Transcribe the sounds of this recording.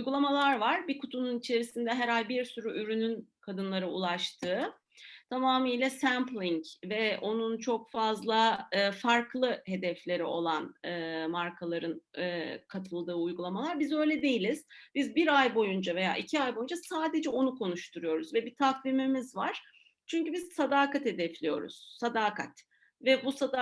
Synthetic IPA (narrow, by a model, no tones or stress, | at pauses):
ujɡulˠamalˠaɾvaɾbikʰut̪ʰununit͡ʃʰe̞ɾisind̪ɛɦɛɾalʲbiɾsyɾyʔyɾynynkʰad̪ɯnlˠaɾɯulˠaʃt̪ʰɯː | t̪ʰamaːmɯjlʲɛsæmplʲiɲcvɛo̞nunt͡ʃʰo̞kfazlˠaɯːfaɾkʰlˠɯhe̞d̪ɛflʲe̞ɾio̞lˠanɯːmaɾkʰalˠaɾɯnɯːkʰat̪ʰɯlˠd̪ɯːujɡulˠamalˠaɾbizø̞jlʲɛd̪e̞jilʲiz̥b̥izbiɾajbo̞jund͡ʒave̞ja̰ːʔicʰiajbo̞jund͡ʒasaːd̪e̞d͡ʒɛo̞nukʰo̞nuʃt̪ʰuɾujo̞ɾuzvɛbit̪ʰakvimimizvaɾ̥ | t͡ʃʰyɲcybizsad̪aːkat̪he̞d̪ɛflʲijo̞̰ɾṵz̥sad̪aːkʰat̪ | vɛbusa